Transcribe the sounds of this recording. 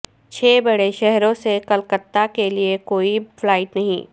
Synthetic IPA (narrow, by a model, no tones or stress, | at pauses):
t͡ʃʰeːbɐɽeʃɛɦɾõsekɐlkət̪ːakeliekoːiflaːɪʈnɐɦḭ̃ː